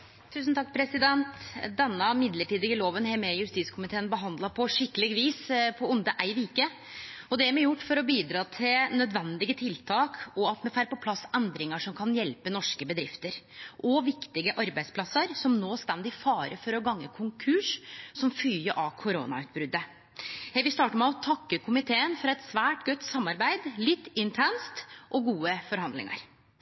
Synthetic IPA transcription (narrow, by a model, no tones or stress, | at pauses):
t̪ʰʉːsnt̪ɑkːpʰɾɛsɪd̪ɛnt̪d̪ɛnːəmɪd̪ləʈiːd̪ɪɡəloːʋənɦɛɾmɛjʉɾst̪iːt̪skʰʊmɪt̪ʰeːənbəɦɑnd̪lɑpʰɔʂɪkːəlɪɡʋiːspʰɔʊnd̪əʔæɪʋiːkə | ɔd̪ɛæɾmɛjʊʈːfɔɾɔbiːd̪ɾɑːt̪ʰɪlnœd̪ʋɛnd̪ɪɡət̪ʰɪlt̪ʰɑːkɔɑt̪mɛfæɾpɔpʰlɑsːɛnd̪ɾɪŋəʂɔmkʰɑnjɛlpənɔʂkəbəd̪ɾɪft̪əɾʔɔʋɪkt̪ɪɡəʔɑɾbæɪspʰlɑsəɾsɔmnoːst̪ɛnd̪ɪfɑːɾəfɔɾɔɡɑŋːəkʰʊŋkʰʉʂsɔmfyːəʔɑkʰʊɾoːnɑ̰ʉːt̪̚bɾʉd̪ːə | jæɪʋɪlst̪ɑːʈəmɛɔt̪ʰɑkːəkʰʊmɪt̪ʰeːənfɔɾɛt̪sʋæːʈɡœt̪ːsɑmːɑɾbæɪd̪lɪt̪ːɪnt̪ʰɛnst̪ʔɔɡuːəfɔɾɦɑnd̪lɪ̰ŋɑ̰ɾ